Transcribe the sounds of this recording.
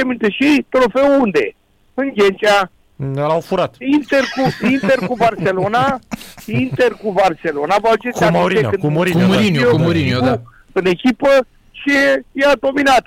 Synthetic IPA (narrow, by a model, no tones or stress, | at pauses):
emint̪eʃit̪ɾofeuund̪ḛ | ɨŋɡʲent͡ʃa | alawfuɾat̪int̪erkuint̪erkubarselonaint̪erkuvarselo̞navalt͡ʃesamaɾieɨnuɾiinomɾiku | ɨnekʲipə | ʃiejad̪o̞minat̪